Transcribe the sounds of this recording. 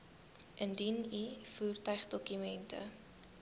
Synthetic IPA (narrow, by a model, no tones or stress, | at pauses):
ʔəndinifuːrtœɥχdɔkymɛntʰə̰